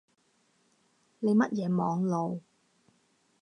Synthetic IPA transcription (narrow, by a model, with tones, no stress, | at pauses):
ne˨˧jmɐ˦˥t̚jɛː˨˧mɔː˨˧ŋlo˨˧w